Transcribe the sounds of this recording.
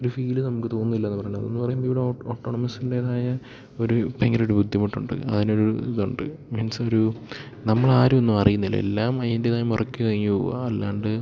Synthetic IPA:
o̞ɾufiːlɨnɐmukːɨt̪o̞ːnːuilːɐenːpɐrɐjɳːɐ̰o̰nːupɐrɐjumboiʋiɽeooːʈːo̞ːɳɐmɐsinde̞ːðaːjɐ | o̞ɾupeŋɡɐɾoɽɾubud̪ʱːjimɐʈːuɳɖɨ̰ɐ̰ðino̞ɾuiðuɳɖɨ̰mensoɾu | nɐmːɐɭaːɾumonːumɐrijunːilːɐḛlːaːmɐðindeðaːjumurɐkʲːukɐɻiŋːupo̰ːa̰ɐlːaːɳɖɨ

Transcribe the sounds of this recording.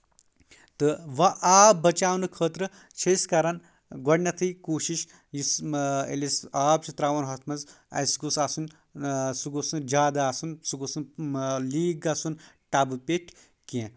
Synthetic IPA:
t̪ɨʋɐʔaːbɐt͡ʃaːwnɨkʰəːt̪ɾɨ | t͡ʃʰeskɐɾɐn | ɡɔɖnʲɐt̪ʰɨjkoːʃiʃ | jisḛlʲisaːb̚t͡ʃʰit̪ɾaːʋɐnɦɐt̪ʰmɐz | ɐ̰sɡusaːsun | suɡosɨnd͡ʒaːd̪aːsunsuɡosunliːɡaːsun | ʈabɨpʲeʈʲʰ | kẽ

